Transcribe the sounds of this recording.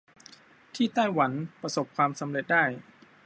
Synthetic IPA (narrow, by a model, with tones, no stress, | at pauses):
t̪ʰiː˥˩t̪aː˥˩jwa˩˦npɾa˧so˨˩p̚kʰwaː˧msa˩˨˦mɾe˨˩t̪̚daː˥˩j